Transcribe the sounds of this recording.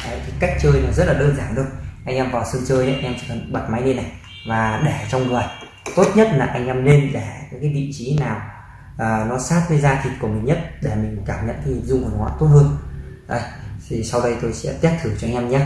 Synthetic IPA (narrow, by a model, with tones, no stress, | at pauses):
ʔə˨˧jt̪ʰi˨˩ka˦˥jk̟̚t͡ɕəː˧jnɔ˨˦zə˦˥t̚laː˨˩ɗəː˧nzaː˧˩nɗɨ˧əŋʔa˧jŋʔɛ˧mvaː˨˩wsɨ˧ŋt͡ɕəː˧jʔa˨˦˧ʔɛ˧mt͡ɕi˧˩˨ɓa˨˩t̚ma˨˦jni˧na˨˩j | vaː˨˩ɗɛ˧˩t͡ɕɔ˧wŋ͡mŋɨ˨˩əj | t̪o˦˥t̚ɲə˦˥t̚laː˨˩ʔa˧jŋ̟ʔɛ˧mne˧nɗɛ˧˩kaː˨˦kaː˨˦jɓḭ˧˨t͡ɕi˨˦naː˨˩w | ʔəː˨˩nɔ˨˦saː˦˥t̚kə˨˦jzaː˧t̪ʰi˨˩t̚ku˧˩əmï˨˩ŋ̟ɲə˦˥t̚ɗe˧˩mi˨˩ŋ̟kaː˧˩mɲə̰˧˨nkaː˨˦ɲi˨˩zʊ˧ŋku˧˩˨ŋwa̰ː˧˨t̪o˦˥t̚hə˧ən | ʔə˧˩jt̪ʰi˨˩sa˧wɗə˧jt̪o˧jsɛ̰˧˥t̪i˦˥p̚t̪ʰɨ˧˩ŋt͡ɕɔ˧ŋ̟ʔɛ˧mɲə˦˥t̚